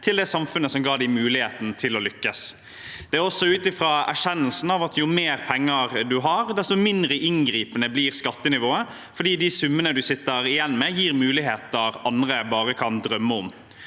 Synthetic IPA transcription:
t̪ʰɪld̪ɛsɑmfʉnːəsɔmɡɑːɖ̪æɪmʉːlɪheːt̪n̩t̪ʰɪlɔlʏkːəs | d̪̥ɛæɔsːɔʉːt̪ɪfɾɑːæ̰ʂɛnːəlsn̩ɑʋɑt̪jʊmeːɾpʰɛŋːəɾd̪ʉɦɑɾd̪ɛst̪ʊmɪnd̪ɾəʔɪnɡɾiːpənəbliːɾskɑt̪ːənɪʋoːə | fɔɖiːd̪ɪsʉmːənəd̪ʉsɪt̪ːəɾɪjɛnːmɛːjiːɾmʉːlɪɦeːt̪ɑɾɑnd̪ɾəbɑːɾəkʰɑnd̪ɾœmːəɔm

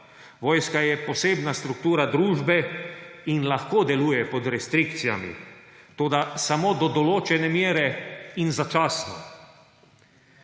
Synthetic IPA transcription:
ʋɔːjskajɛpɔseːbnast̪ɾuk̚t̪uːɾad̪ɾuːʒbɛ | inlaxkod̪ɛluːjɛpɔd̪ɾɛst̪ɾikt̪sija̰mḭt̪oːd̪asamod̪ɔd̪ɔloːt͡ʃɛnɛmjeːɾɛinzat͡ʃaːsnɔ

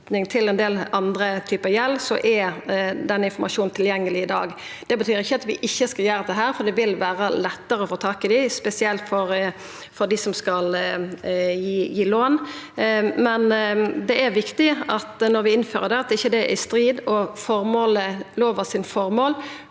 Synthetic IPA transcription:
t̪nɪŋt̪ʰɪlɛnd̪eːlɑnd̪ɾət̪ʰyːpəjɛlːsɔʔæd̪ɛnːəɪnfɔmʔɑʃuːnnt̪ʰɪljɛŋːəlɪɪd̪ɑ̰ːɡd̪̥ɛbət̪ʰyːɾɪçːəɑt̪ʋɪʔɪçːəskɑjæːɾət̪ɛɦæːɾfɔd̪ɛʋɪlʋæːɾɑlɛt̪ːəɾəɔfoːt̪ʰɑːkɪd̪ɪspɛsɪɛlt̪fɔɾ | fɔɾd̪ɪsɔmskɑl | jiːjiːloːn | mɛnd̪ɛʔæɾʋɪkt̪ɪɑt̪nɔɾʋɪɪnføːɾəd̪ɛɑt̪ɪçːəd̪ɛʔɪst̪ɾiːd̪ɔfɔɾmoːləloːʋəʁsɪnfɔɾmoːl

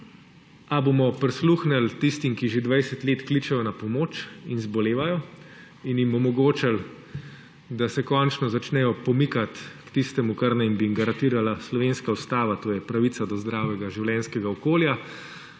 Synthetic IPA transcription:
abomɔpɾisluːxnɛlt̪ist̪imkiʒed̪ʋajsɛt̪leːt̪klit͡ʃɛjɔnapɔmoːt͡ʃinzbɔleːʋajɔ | injimɔmɔɡoːt͡ʃal | d̪asɛkɔnt͡ʃnɔzat͡ʃnɛjɔpɔmikat̪kt̪ist̪ɛmukaɾnajimbiŋɡaɾant̪iːɾalaslɔʋeːnskaust̪aːʋat̪oːjɛpɾaʋit̪sad̪ɔzd̪ɾaːwɛɡaʒiwlʲɛnskɛɡaɔkoːlja

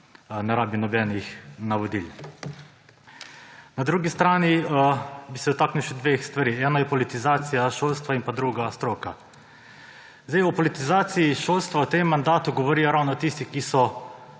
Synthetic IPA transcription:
nɛɾaːbinɔbɛːnixnaʋɔd̪ḭl | nad̪ɾuːɡist̪ɾaːni | bisɛɔt̪aːkniwʃɛd̪ʋexst̪ʋaɾiɛːnɔjɛpɔlit̪izaːt̪sijaʃoːlst̪ʋainpad̪ɾuɡast̪ɾoːka̰ | zd̪ejɔpɔlit̪izaːt̪siiʃoːlst̪ʋawt̪emːand̪aːt̪uɡɔʋɔɾijɔɾaːwnɔt̪ist̪ikisɔ

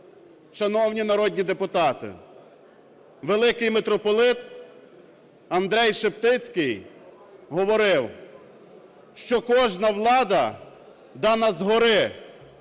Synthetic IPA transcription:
ʃɐnɔwnʲinɐɾɔd̪ʲnʲid̪epʊt̪ɑt̪ɪ̰ | ʋelˠɪkɪjmet̪ɾɔpɔlˠɪt̪ | ɐnd̪ɾɛjʃept̪ɪt͡sʲkɪj | ɦɔʋɔɾɪw | ʃt͡ʃɔkɔʒnɐwlˠɑd̪ɐ | d̪ɑnɐzɦɔɾɪ

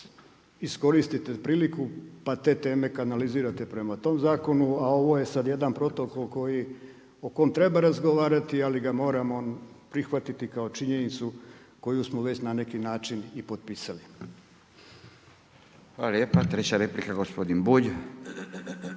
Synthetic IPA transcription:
isko̞ɾist̪it̪epɾiːlikupat̪e̞ːt̪e̞ːme̞kanaliziːɾat̪e̞pɾe̞mat̪o̞ːmzaːko̞nuao̞ʋo̞ːje̞sad̪je̞d̪anpɾo̞t̪o̞ko̞lko̞ji | o̞ko̞mt̪ɾe̞baɾazɡoʋaːɾat̪ialiɡamo̞ːɾamo | pɾixʋat̪it̪ikao̞t͡ʃiɲe̞nit̪su | ko̞jusmoʋe̞t͡ɕnane̞kinaːt͡ʃinipo̞d̪̚piːsali | xʋalaljeːpat̪ɾet͡ɕaɾeplikaɡospod̪inbuʎ

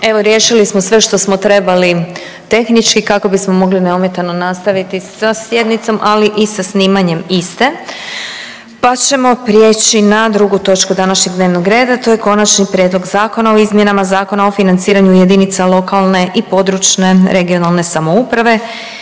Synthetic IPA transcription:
e̞ʋo̞ɾje̞ːʃilismosʋe̞ʃt̪o̞smo̞t̪ɾe̞bali | t̪e̞xnit͡ʃkikako̞bismo̞mo̞ɡlineumje̞t̪ano̞nast̪aʋit̪isasje̞d̪nit̪so̞mʔaliʔisasniːmaɲe̞mist̪e̞ | pat͡ɕe̞mo̞pɾje̞t͡ɕinad̪ɾuɡut̪o̞t͡ʃkud̪anaʃɲe̞ɡ̚d̪neʋnoɡɾe̞ːd̪at̪o̞je̞ko̞nat͡ʃnipɾʲjed̪lˠo̞ɡzaːko̞naoizmje̞namazaːko̞nao̞finant̪siːɾaɲujed̪init̪salˠo̞kalˠne̞ʔipo̞d̪ɾut͡ʃne̞ɾʔe̞ɡio̞nalˠne̞samoupɾaʋe̞

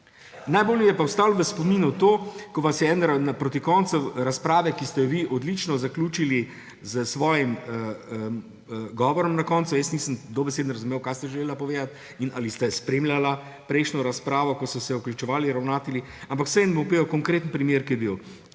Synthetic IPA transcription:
najboːljijɛpawst̪aːlʋəspɔmiːnut̪oːkɔʋasjɛɛnɾanapɾot̪ikɔnt̪sɛwɾaspɾaːʋɛkist̪ɛjɔʋiʔɔd̪lit͡ʃnɔzaklʲuːt͡ʃili | zəsʋɔːjiməə | ɡɔːʋɔɾɔmnakɔnt̪sujəsnisəmd̪obɛseːd̪n̩ɾazumewkajst̪ɛʒɛlelapɔʋeːd̪at̪ | inalist̪ɛspɾeːmlʲjala | pɾɛɪʃnɔɾaspɾaːʋɔkɔsɔsɛuklʲut͡ʃɛʋaːliɾawnaːt̪ili | ampaksɛjɛnbompeːwkɔŋkɾeːt̪ənpɾimjeːɾkijɛbiw

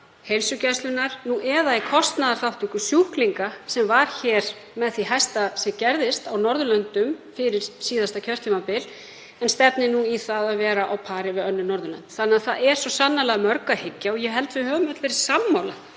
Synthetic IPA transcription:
hejlsʏcajst̪lʏnaɾnuʔɛðaɛkʰɔst̪naðaɾ̥θawht̪ʏkʏsjuhkliŋkasɛmvaɾ̥çɛɾ̥ | mɛðθiɦajst̪asɛcɛɾðɪst̪awnɔɾðʏlœnt̪ʏmfɪɾɪɾ̥siːðast̪acʰœr̥t̪ʰimapɪl | ɛnst̪ɛpnɪnuiθaðaðvɛːɾaʔawpʰaːɾɪvɪðœnːʏnɔɾðʏlœ̰nt̪θanːɪaθaðɛɾ̥sɔsanːalɛɣamœɾkahɪcːaɔjɛɦɛlt̪vɪhœːvʏmat̪lvɛːɾɪ̥samːawla

